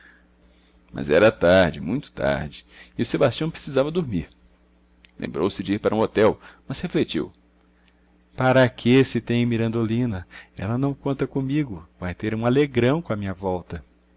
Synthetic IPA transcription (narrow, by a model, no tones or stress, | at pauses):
mʔɐ̰zɛɾɐt̪aɾd͡ʒɪmũj̃t̪ʊ̥t̪a̰ɾd͡ʒɪɪʊsebast͡ʃiɐ̃w̃pɾesizavɐd̪uɾmiɾ | lḛ̃mbɾowsɪd͡ʒɪiɾpaɾɐũot̪ɛwmɐsheflet͡ʃḭw | paɾɐkʰesɪt̪ẽj̃ɐmiɾɐ̃nd̪olĩnɐɛ̰lɐnɐ̃w̃kõnt̪ɐkõmiɡʊvajt̪eɾũaleɡɾɐ̃w̃kõɐmĩɲɐvɔwt̪ɐ